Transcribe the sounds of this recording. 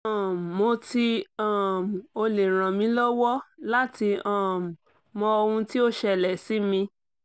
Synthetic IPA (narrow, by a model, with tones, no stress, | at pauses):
ã˨mo˧ti˧a˦˨m˨o˧le˨ɾ̃ã˨mĩ˧˦lɔ˦wɔ˦la˦ti˧ã˦˨m˨ | mɔ̃˧o˧hũ˧ti˦o˦ʃɛ˦˨lɛ˨si˦mĩ˧